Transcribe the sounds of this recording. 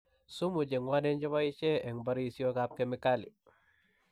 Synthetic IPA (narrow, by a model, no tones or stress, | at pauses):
sumuɟeŋwanend͡ʒoβait͡ʃeeŋbaɾisiokap̚kemikalḭ